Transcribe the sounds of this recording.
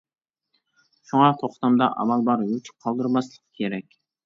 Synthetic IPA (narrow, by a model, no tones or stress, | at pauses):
ʃuŋɑt̪ʰoχt̪ɑmd̪ɑʔɑ̰mɑlˠbɑɾyt͡ʃ̚ʰqʰɑlˠd̪ɨɾmɑslˠə̥qʰkʲʰeɾɛkʲ